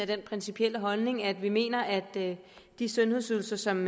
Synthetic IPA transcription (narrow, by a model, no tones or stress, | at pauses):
æd̥enpʰʁɛnsipʰiel̰əɦɒ̽lne̝ŋæd̥ʋime̝̰ːnɐʔæd̥ | d̥isɔ̽nhe̝ð̰ˠsyːl̩sɐsɒ̽m